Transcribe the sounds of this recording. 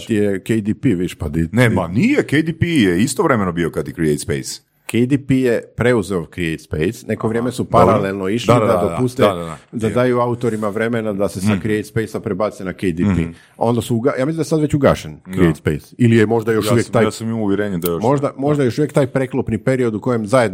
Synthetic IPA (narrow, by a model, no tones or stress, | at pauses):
t̪ijekejd̪ipiʋiʃpad̪inemanijekejd̪ipijeist̪oʋɾemenobiokad̪jekɾiejt̪spḛjs | kʰejd̪ipijepɾe̞uzeokɾiejt̪spḛjsne̞koʋɾjeːme̞supaɾalelno̞iʃdlad̪ad̪opust̪ed̪ad̪aːjuaut̪o̞ɾimaʋɾe̞me̞nad̪ase̞sakɾiejt̪spejsapɾebaːt̪senakejd̪ipḭ | o̞̰nd̪asuuɡajaːmislimd̪esad̪ʋet͡ɕuɡaʃenkɾiejt̪spejsilijemo̞ʒd̪ajoʃuʋjekt̪aːjsamimuʋjeɾeːɲed̪ajomo̞ʒd̪amoʒd̪ajejoʃuʋjekt̪aːjkpɾeklˠopnipe̞ɾio̞d̪uko̞jemzajed̪n